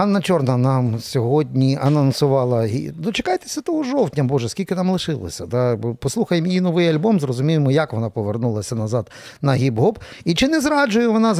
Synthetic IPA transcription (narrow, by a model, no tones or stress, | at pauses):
ɑnːɐt͡ʃɔrnɐnɑmsʲɔɦɔdʲnʲiʔɐnɔnsʊʋɑlˠɐɦḭd̪ɔt͡ʃekɑjt̪e̥sʲɐt̪ɔɦɔʒɔwtʲnʲɐmbɔʒɛskʲilʲkɪnɑmlˠɪʃɪlˠɔ̰sʲɐd̪ɑpɔslˠuxɐjɪmjinɔʋɪjɐlʲbɔmzrɔzʊmʲijɪmɔjɐkʋɔnɑpɔʋernulˠɐsʲɐnɐzɑd̪̥ | nɐɦʲibɦɔbit͡ʃɪnɛzɾɑd͡ʒʊjɛʋɔnɑ